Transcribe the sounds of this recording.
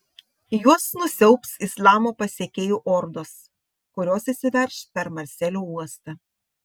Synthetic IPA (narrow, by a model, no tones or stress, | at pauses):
juɔsnʊsʲɛʊpsɪslˠɑːmoːpɐsʲeːkʲeːjuːʔɔɾd̪os | kʊɾʲoːsisʲɪʋʲɛɾʲʃpʲɛɾmɐɾʲsʲɛlʲuːuɔst̪ɐ